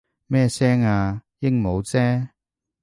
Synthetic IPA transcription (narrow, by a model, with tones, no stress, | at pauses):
mɛː˥sɛː˥ŋaː˧jɪ˥ŋmo˨˧wt͡sɛː˥